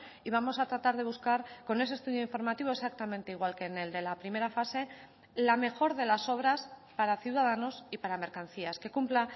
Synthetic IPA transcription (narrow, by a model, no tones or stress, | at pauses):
iβamo̞sat̪ɾat̪aɾð̞e̞βuskaɾko̞ne̞s̬est̪uðjoiɱfo̞ɾmat̪iβ̞oe̞sak̚t̪amẽnt̪e̞iɣ̞walke̞ːne̞ld̪e̞lapɾime̞ɾafase̞ | lame̞xo̞ɾðe̞laso̞β̞ɾaspaɾaθjiuwðað̞ano̞sipaɾame̞ɾkan̟θiaske̞kumpla